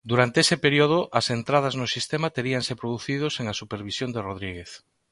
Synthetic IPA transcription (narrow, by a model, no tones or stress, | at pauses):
d̪uɾant̪eesɪpeɾioð̞ʊʔɐsent̪ɾað̞ɐznʊsist̪emat̪eɾiaŋsepɾoðuθið̞oseŋasupeɾβisjond̪eroðɾiɣeθ